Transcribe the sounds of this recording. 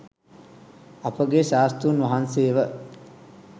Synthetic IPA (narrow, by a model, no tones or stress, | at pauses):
ɐpəɡeʃaːst̪unʋaɦanseːʋə